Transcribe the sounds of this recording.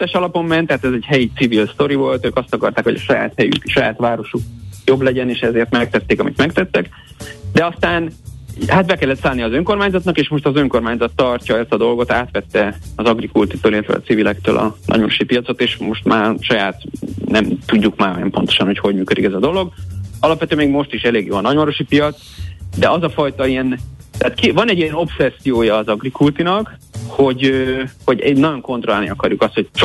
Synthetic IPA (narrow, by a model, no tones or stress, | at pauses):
t̪ːɛʃɒlɒpo̞mːɛnt̪ːat̪ɛzɛɟhɛjit̪sivilst̪o̞ɾivo̞lt̪øːkɒst̪ɒkɒrt̪aːkho̞ɟɒʃɒja̰ːt̪hɛjy̰kʃɒjaːt̪ʋaːɾo̞ʃuk̚jo̞blɛɟɛneːʃɛzeːrt̪mɛk̚t̪ɛt̪ːeːkɒmit̪mɛkt̪ɛt̪ːɛk | d̪ɛɒst̪aːnhat̪bɛkɛlːɛt̪saːlnijɒːzøŋko̞rmaːɲzɒt̪nɒkeːʃmo̞ʃt̪ɒzøŋko̞rmaːɲzɒt̪ːɒrcɒɛst̪ɒd̪o̞lɡo̞t̪aːt̪ʋɛt̪ːɛɒzɒɡrikult̪it̪oːleːɛt̪vɛ̰ɒ̰sivilɛkt̪ø̰ːlʔɒ̰nɒ̰ɟmɒɾo̞ʃipijɒt̪so̞t̪eːʃmo̞ʃt̪maːʃɒjaːt̪nɛmt̪uɟːukmaːjɛ̰mpo̞nt̪o̞̥ʃɒnho̞cho̞ɟmyːkød̪ikɛzɒd̪o̞lo̞ɡɒlɒpvɛt̪øːɛmeːɡmo̞ʃt̪iʃɛleːɡjo̰ːɒnɒɟmɒɾoʃipijɒt̪s | d̪ɛɒzɒfɒjt̪ɒijɛnt̪ɛaːt̪kivɒnɛɟiɛno̞psɛsːijoːjɒːzɒɡrikult̪inɒkho̞ɟøhoɟnɒɟo̞ŋko̞nt̪rolaːlniɒkɒɾjukɒst̪ho̞̥t͡ʃ